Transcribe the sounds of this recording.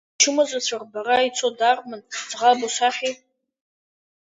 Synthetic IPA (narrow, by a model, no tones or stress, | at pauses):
t͡ʃʰɨmazʷat͡ɕʷʰarbaɾait͡sʷʰodarmɨnd͡zʁabosʷaχʲi